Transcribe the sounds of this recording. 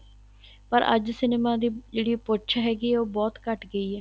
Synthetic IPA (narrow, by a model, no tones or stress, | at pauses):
pəɾʔə̰d͡ʒsɪneːmãːd̪iːd͡ʒeːɽiːpoːtːt͡ʃʰɦɛːɡiːoːbɔːt̪kəʈɡəiːɦɛː